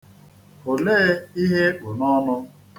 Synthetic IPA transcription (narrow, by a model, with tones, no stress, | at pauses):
o˨leː˦i˦ɦe˦k͡pʊ˨nɔ˦nʊ˦